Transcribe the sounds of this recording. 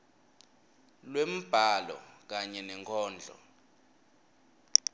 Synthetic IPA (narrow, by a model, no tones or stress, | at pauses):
lwem̩b̥ʱalɔ̰k̬aɲɛnɛŋkʰɔːnd͡ɮʱɔ̰